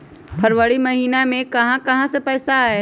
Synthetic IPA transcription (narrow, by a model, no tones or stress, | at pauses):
pʰɐɾʋəɽimɐɦiːnamẽkɐɦãkɐɦãsepɛːsaːe